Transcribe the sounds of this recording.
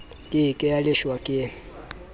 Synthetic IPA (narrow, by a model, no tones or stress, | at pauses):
kʼɪkʼɪjalɪʃwakʼɪ